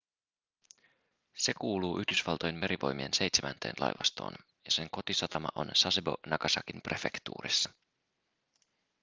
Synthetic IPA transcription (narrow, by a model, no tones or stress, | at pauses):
se̞kuːluːʔyhdysʋɑlt̪ojenme̞ɾʔiʋo̞̰jmie̞nse̞jt̪semænt̪ʰe̞̰ːnlʔɑ̰jʋɑst̪oːn | jɑse̞ŋko̞t̪isɑt̪ɑmɑ̰ʔo̞̰nsɑsebo̞̰nɑkɑsɑkimprʔe̞fe̞kt̪ṵːɾisːɑ̥